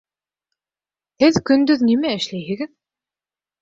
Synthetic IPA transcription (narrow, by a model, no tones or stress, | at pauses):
hɘðkɵ̆nd̪ɵðnimæɘ̆ʃlæjɦɘ̆ɣɘð